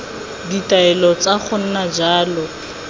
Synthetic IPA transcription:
ditaɛlɔt͡saχʊn̩nad͡ʒaːlɔ

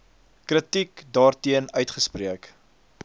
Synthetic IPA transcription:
kɾətikdɑːrtiənœɥtχəspriək

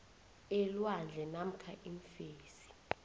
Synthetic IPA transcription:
ɛlwand͡ɮʱɛnam̩kʰaʔiɱfeːsi̥

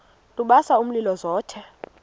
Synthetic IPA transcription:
tʼuɓasaum̩lilɔzɔːtʰɛ

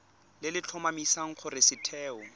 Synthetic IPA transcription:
lɪlɪt͡ɬʰɔmamisaŋ̩q͡χʰʊrɪsɪtʰɛːɔ

